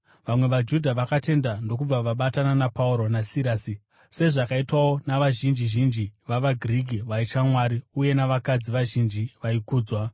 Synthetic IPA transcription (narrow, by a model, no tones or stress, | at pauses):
ʋamwe̞ʋad͡ʒudʱaʋakate̞ndando̞kub͡vaʋaɓatananapauɾo̞nasiɾasi | se̞ʐakaitwawo̞naʋaʒind͡ʒiʒind͡ʒiʋaʋaɡʱriɡʱiʋait͡ʃamwaɾiuje̞naʋakad͡ziʋaʒind͡ʒiʋaikuːd͡zwa